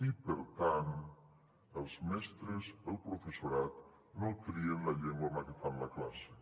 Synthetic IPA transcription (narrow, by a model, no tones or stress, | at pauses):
ipəɾt̪an | əlˠzmɛst̪ɾəzðəlˠpɾufəsuɾat̪ | nokɾiənləʎeŋɡwamakəfanləklase